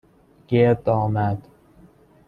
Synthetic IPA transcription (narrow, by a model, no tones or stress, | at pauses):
ɡ̥eɾd̪ɒːmæd̪